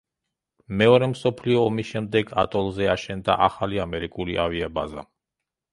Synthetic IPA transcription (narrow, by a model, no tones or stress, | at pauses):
mɛɔɾɛmsɔpʰliɔːmisʃɛmd̪ɛɡa̰t̪ʼɔlˠzɛaʃɛnd̪a̰ʔaχaliamɛɾikʼuliʔaviabaza